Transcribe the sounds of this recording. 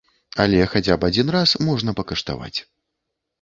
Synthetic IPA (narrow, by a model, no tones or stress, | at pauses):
alʲɛxad͡zʲapad͡zʲinrasmɔʐnɐpɐkɐʂt̪a̰va̰t͡sʲ